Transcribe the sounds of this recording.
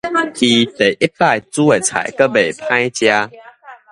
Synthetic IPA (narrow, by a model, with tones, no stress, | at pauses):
kʰi˨t̪e˨˩jʔi˦pːa˥˨jt͡su˦e˨t͡sʰa̰˨˩jkə˦be˨˩jpʰã˦jt͡ɕja˦